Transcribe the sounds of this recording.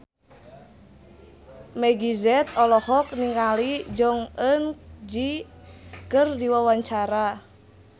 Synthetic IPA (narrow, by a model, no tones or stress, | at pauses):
mɛɡizɛt̪̚ɔlɔhɔk̚niŋalid͡ʒɔŋənd͡ʒi | kərdiwawaɲt͡ʃaɾa